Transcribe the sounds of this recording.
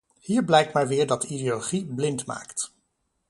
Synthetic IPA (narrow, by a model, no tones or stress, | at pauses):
hiːɹblɛjk̚tmɛjʋɪːɹdɑtideoloχiblɪntma̰ːkt